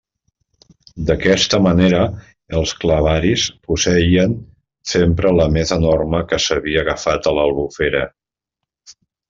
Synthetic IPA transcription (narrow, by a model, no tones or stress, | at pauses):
d̪əkɛst̪əməneɾə | əlˠskləβaɾispusəiən | sempɾələmezənorməkəsəβiəːɣəfat̪ələlˠβufeɾə